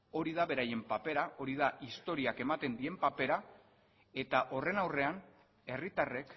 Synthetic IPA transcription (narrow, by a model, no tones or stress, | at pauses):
o̞ɾið̞aβe̞ɾaje̞mpape̞ɾao̞ɾið̞aist̪o̞ɾiake̞mat̪e̞nd̪ie̞mpape̞ɾa | e̞t̪aʔo̞re̞nawre̞an | e̞rit̪are̞k